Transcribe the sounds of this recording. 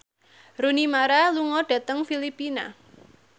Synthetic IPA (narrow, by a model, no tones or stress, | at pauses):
ɾunimaɾaluŋɔɖ̥ä̤t̪əŋfilipina̰